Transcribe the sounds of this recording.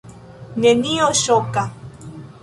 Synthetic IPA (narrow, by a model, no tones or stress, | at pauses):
nenioʃoka